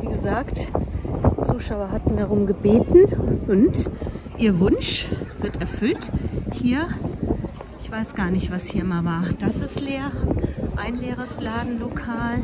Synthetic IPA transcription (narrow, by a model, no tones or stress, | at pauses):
viːɡəzaːkt | t͡suːʃaʊɐɦatn̩daʁ̞ʊmɡəbeːtn̩ʔʊntʔiːɐvʊnʃv̥ɪɐtɛɐfʏlthiːɐ | ʔɪçv̥aɪsɡ̥aːɐnɪçtv̥ashiːɐɪmavaːɐd̥asɪstleːɐʔaɪnleːʁəslaːdn̩lokʰaːl